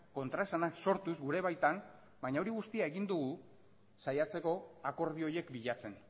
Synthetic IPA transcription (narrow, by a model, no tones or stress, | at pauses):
ko̞nt̪ɾae̞sanakso̞ɾt̪uzɡuɾe̞β̞ajt̪am | bajɲao̞ɾiɣust̪iae̞ɣind̪uɣu | sajat͡se̞ko̞ako̞ɾð̞io̞je̞kbiʎat͡se̞n